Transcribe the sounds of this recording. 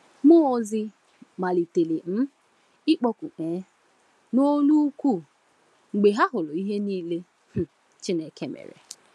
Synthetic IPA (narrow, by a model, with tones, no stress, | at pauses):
mʊ˦˨zɪ˦ | ma˨li˨te˨le˨m̩˦ | ɪ˦k͡pɔ˦ku˨ʔeː˨˦ | no˦lu˦kʷu˦˨ | ŋ͡m̩˨ɡ͡be˨ɦa˦ɦʊ˨lʊ˨i˦ɦe˦niː˦le˦ | h̩˨ | t͡ʃɪ˦ne˨ke˦mḛ˨ɾḛ˨